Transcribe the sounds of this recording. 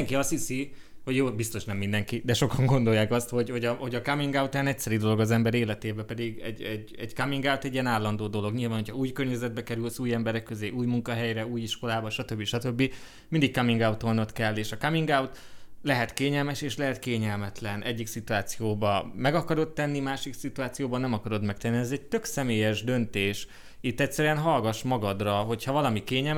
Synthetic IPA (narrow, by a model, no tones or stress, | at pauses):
ŋkiɒshisi | ho̞ɟjoːbist̪o̞ʃnɛmːind̪ɛŋkid̪ɛʃo̞kɒŋɡo̞nd̪o̞jːaːkɒst̪ho̞ɟho̞ɟɒho̞ɟɒkamiŋɡawt̪aːnɛcsɛɾid̪olo̞ɡɒzɛmbɛɾeːlɛt̪eːbɛpɛd̪iɡɛ̰ɟːɛɟ | ɛɟkɒmiŋɡawt̪ɛɟijɛnaːlːɒnd̪oːd̪o̞lo̞ɡɲilvaːnɦocʰhɒuːjkørɲɛzɛd̪̚bɛkɛɾylsuːjɛmbɛɾɛkːøzeːʔuːjmuŋkɒɦɛjɾɛuːjiʃko̞laːbɒʃɒt̪ø̞bːiʃɒt̪ø̞bːi | mind̪ikkɒmiŋɡawt̪onot̪kɛlːeːʃɒkɒmiŋɡawt̪lɛɦɛt̪keːɲɛlmɛʃeːʃlɛɦɛt̪keːɲɛlmɛt̪lɛnʔɛɟːiksit̪uaːt̪sijoːbɒmɛɡɒkɒɾo̞t̪ːɛnːimaːʃiksit̪uaːt̪sijoːbɒnɛmɒkɒɾo̞d̪mɛk̚t̪ɛnːiɛzɛc̚t̪ø̞ksɛmeːjɛʒd̪ø̞nt̪eːʃ | it̪ːɛctsɛɾyɛnɦɒlɡɒʃmɒɡɒd̪rɒɦo̞chɒvɒlɒmikeːɲɛl